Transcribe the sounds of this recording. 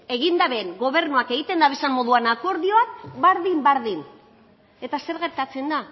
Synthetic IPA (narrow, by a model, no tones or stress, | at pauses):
e̞ɣind̪aβeŋɡo̞βe̞ɾnuake̞ɣit̪e̞nd̪aβesammo̞ðuanako̞ɾðio̞akbaɾðimbaɾðin | e̞t̪ase̞ɾɣe̞ɾt̪at͡se̞nd̪a